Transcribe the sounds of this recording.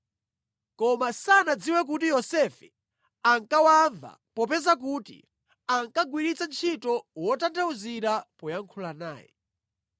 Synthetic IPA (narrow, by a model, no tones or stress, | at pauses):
kɔmasanad͡ziwɛk̬ut̬ijɔsɛfɛ | aŋkawaɱva̰ | pɔpɛzak̬uːtḭ | aŋkaɡwiɾit͡sant͡ʃʰitɔwɔtantauziɾapɔjaŋkʰulana̰ːjɛ̰